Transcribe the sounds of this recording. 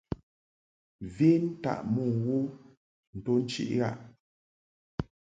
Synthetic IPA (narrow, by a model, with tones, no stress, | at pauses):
vi˦n˦ta̰˦˨ʔmu˨wo˦ | n̩˨to˦n̩˦t͡ʃḭ˦ʔɣa̰˦˨ʔ